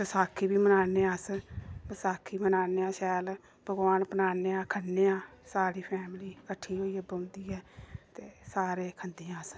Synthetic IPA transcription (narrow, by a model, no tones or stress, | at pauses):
bəsaːkʰːiːbiːmənaːneːãːsbəsaːkʰːiːmənaːneːãːʃɛːl | b̥ʱəɡʋaːnpənaːneːaːkʰənːeːãːsaːɾiːpʰɛːmliːkəʈʰːiːɦoːiːɛbəʊnd̪iːɦɛːtt̪eːsaːɾeːkʰənd̪ijãːs